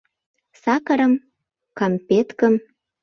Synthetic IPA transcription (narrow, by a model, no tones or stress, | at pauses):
sɑkəɾə̆m | kɑmpet̪kəm